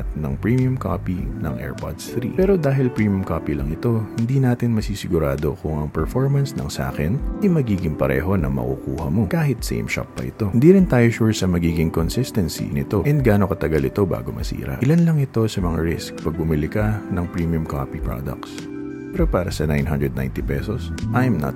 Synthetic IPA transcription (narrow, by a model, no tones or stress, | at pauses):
t̪̚nɐŋpɹimjʊmko̰pinɐ̰ŋʔɛ̰ɹpo̰t̪st̪ɾḭpɛːɾo̞d̪aːɦɪlpɹiːmjʊmkoːpilɐŋɪt̪o̞hɪnd̪iːnaːt̪ɪnmɐsiːsɪɡʊɾaːd̪o̞kʊŋɐŋpɛɹfoɹmɐnsnɐ̰ŋsʔa̰ːkɛnʔɐjmɐɡiːɡɪŋpɐɾɛ̰ːɦo̞nɐ̰ŋmɐ̰kukuːhɐmo̞kaːɦɪt̪̚sɛ̰jmʃa̰pːɐ̰ʔɪt̪o̞ɪnd̪iːɾɪnt̪aːjoʃuɹsɐmɐɡiːɡɪŋkonsɪst̪ɛnsḭnɪt̪o̞ʔɛnd̪̚ɡaːno̞kɐt̪ɐɡɐlɪt̪o̞ba̰ːɡo̞mʔɐ̰sḭːɾɐ̰ʔɪlanlɐŋɪt̪o̞sɐmɐŋa̰ɹɪsk̚pɐɡ̚bʊmɪlɪkɐnɐŋpɹiːmiʊmka̰pipɹa̰d̪ɐ̰k̚s | pɛːɾopaːɾɐsɐnajnɦa̰nd̪ɹɛd̪na̰jnt̪ipɛsosʔɐjmnɐ̰t̪